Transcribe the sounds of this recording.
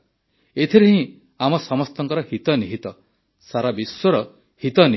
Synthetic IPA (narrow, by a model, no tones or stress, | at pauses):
et̪ʰiɾeɦĩ | amɔsɔmɔst̪ɔŋkɔɾɔhit̪ɔniɦit̪ɔ | saɾabiswɔɾɔ | hit̪ɔni